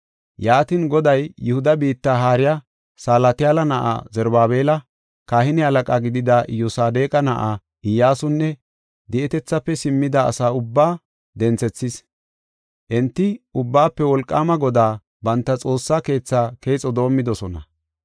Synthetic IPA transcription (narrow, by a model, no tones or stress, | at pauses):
jaːt̪ɪnɡɔd̪ɐjjʊhʊd̪ɐbiːt̪ːaːɦaːɾɪja | saːlɐt̪ɪjaːlɐnɐʔa̰ːzɛɾbaːβe̞ːlɐ | kaːhɪnɪhɐlɐkʼaːɡɪd̪ɪd̪ɐjɔsaːd̪e̞ːkʼɐnɐʔa | ʔɪjːaːsʊnːɛ | d̪ɛʔɛt̪ɛt͡sːɐpːɛsɪmːɪd̪ɐ̰ːsaːʊbːaː | d̪ɛnt͡sɛt͡sːɪs | ʔɛnt̪ːɪʔʊbːaːpːɛwɔlkʼːaːmɐɡɔd̪aː | bɐnt̪ːɐt͡sʼo̞ːsːaːke̞ːt͡sːaːke̞ːt͡sʼːɔd̪o̞ːmːɪd̪ɔsɔnɐ̰